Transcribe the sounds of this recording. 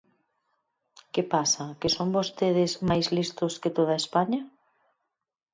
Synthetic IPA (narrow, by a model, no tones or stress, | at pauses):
kepasɐkesombost̪eðɪzmajzlist̪ʊskɪt̪oð̞ɐespaɲɐ